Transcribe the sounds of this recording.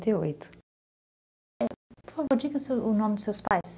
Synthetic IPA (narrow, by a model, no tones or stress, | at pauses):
t̪eojt̪ʊ̥ | ɛpfavod͡ʒikɐsunɔ̃md̪ʊsewspajs